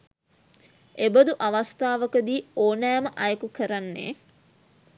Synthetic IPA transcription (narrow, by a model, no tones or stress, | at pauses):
ebəd̪uʔaʋast̪aːʋəkəd̪iːoːnæːməʔajəkukəɾanːḛː